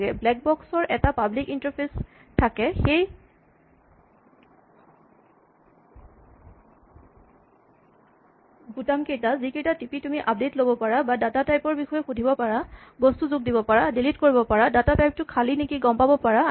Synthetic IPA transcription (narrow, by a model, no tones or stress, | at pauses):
ɡɛblɛk̚bɔksɔɹʔɛtapablikintɔɹpʰestʰakɛxej | ɡutamkejtazikejtatipitumiʔap̚detlobɔpaɹabadatatajpɔɹbixɔjɛxudʱibɔpaɹabɔstuzʊɡ̚dibɔpaɹadilitkoɹibɔpaɹadatatajp̚tʊkʰalinikiɡɔmpabɔpaɹa